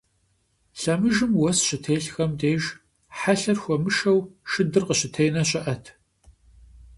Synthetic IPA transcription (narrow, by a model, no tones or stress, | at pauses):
ɬɐmɨʒɨmwɔsɕɪtʰeːɬxɐmdeːʒ | ħaɬɐrxʷɔmɨʃɐwʃɨdɨrqəɕɪtʰejnɐɕʼɪʔɐtʰ